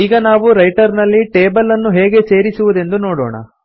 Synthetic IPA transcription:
iːɡɐnaːʋuɾɐjʈɐɾnɐlːiʈeːbɐlɐnːuɦe̞ːɡe̞se̞ːɾisuʋud̪e̞nd̪unoːɽɔ̰ːɳɐ̰

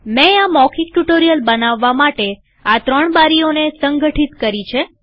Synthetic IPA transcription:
mɛ̃amɔkʰik̚ʈuʈoɾijəlbənaʋːamaʈe | at̪ɾəɳbaɾijonesəŋɡəʈʰit̪kəɾit͡ʃʰe

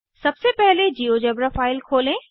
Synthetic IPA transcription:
sɐbsepɛɦled͡ʑiːoːd͡ʒɛːbɾafaːɪlkʰoːlẽː

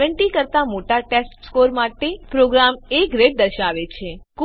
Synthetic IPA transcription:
əɳʈikəɾt̪amoʈaʈesʈskoɾmaʈepɾoɡɾamekɾeʈ̚d̪əɾʃaʋet͡ʃʰek

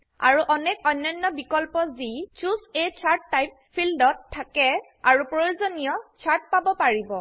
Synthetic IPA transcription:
a̰ɹuʔɔnɛkɔjnːɔjnːɔbikɔlpɔzit͡ʃuzet͡ʃʰaɹtːajp̚ | pʰːildɔtʰːakɛ | aɹupɹojuzonijɔt͡ʃʰaɹt̚pabɔpaɹibɔ

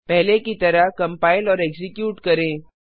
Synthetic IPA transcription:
pɛɦlekit̪ɐɾaɦkɐ̃mpaːɪlɔːɾekzɪkjuːʈkɐɾẽː

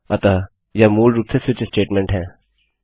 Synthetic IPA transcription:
ɐt̪a | jamuːlɾup̚t̪ʰesɪt͡ʃesʈeːʈmɛ̃ɳʈɦɛ̃ː

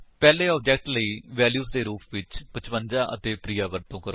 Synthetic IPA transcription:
pɛːleːɔːbd͡ʒɛk̚ʈləiːʋɛːljuːsd̪eːɾuːpʰʋɪt͡ʃpət͡ʃpə̃nd͡ʒãːʔə̰t̪eːpɾiːaːʋəɾt̪õːkəɾo

